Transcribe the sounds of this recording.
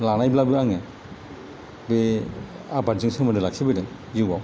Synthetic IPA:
lanajblabɯaŋe | be | abazɯŋsɯmɯndɯlak̚sibɯdɯŋ | zɯbaw

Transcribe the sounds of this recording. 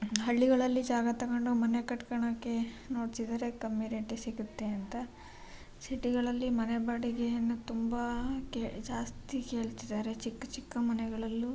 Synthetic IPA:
ɦɐɭːiɡɐɭɐlːid͡ʒaːɡɐt̪ɐkɐɳɖomɐnekɐʈkɐɳɐkːe̞ | no̞ːɖsid̪ɐɾe̞kɐmːiɾeʈesiɡut̪ːe̞ɐnt̪ɐ | siʈiɡɐɭɐlːimɐnebaːɽiɡeɐnːut̪umbɐked͡ʒaːst̪ike̞ːɭt̪id̪aːɾe̞t͡ʃikːɐt͡ʃikːɐmɐnɛɡɐɭɐlːu

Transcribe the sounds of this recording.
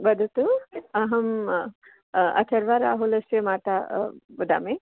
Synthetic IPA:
bɐd̪ʱut̪uɐɦɐm | ɐ̰t̪ʰɐɾʋaɾa̰ːɦulɐsjemaːt̪abɐd̪a̰ːme

